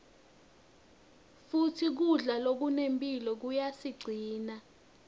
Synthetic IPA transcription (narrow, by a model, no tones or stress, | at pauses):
futʰik̬uɮalok̬unempʼilɔk̬ujasiɡ͡ǀʱiːna